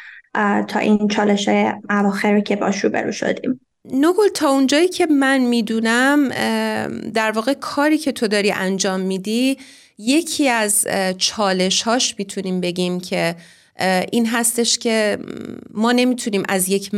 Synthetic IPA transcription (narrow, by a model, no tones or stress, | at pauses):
t̪ʰɒ̰ːʔint͡ʃʰɒːleʃhɒːjeʔævɒːxeɾocʰebɒ̰ːʃɾṵbḛɾṵːʃo̰d̪ḭːm | noɡolt̪ʰɒːund͡ʒɒːjiːcʰe̞mænmiːd̪unæm | d̪æɾvɒːɣe̞kʰɒːɾiːcʰe̞t̪ʰo̞d̪ɒːɾiːʔænd͡ʒɒːmːiːd̪i | je̞cʰiːæzt͡ʃʰɒːle̞ʃhɒːʃmiːt̪ʰuniːmbe̞ɟiːmcʰe̞ | ʔiːnɦæst̪eʃcʰe̞ | mɒːne̞miːt̪ʰuniːmʔæzje̞cʰ